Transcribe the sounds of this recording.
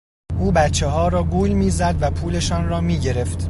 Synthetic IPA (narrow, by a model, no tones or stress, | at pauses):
ʔuːbæt̪t͡ʃʰːeɦɒːɾɒːɡuːjmiːzæd̪væpʰuːle̞ʃɒːnrɒːmiːɟe̞ɾe̞ft̪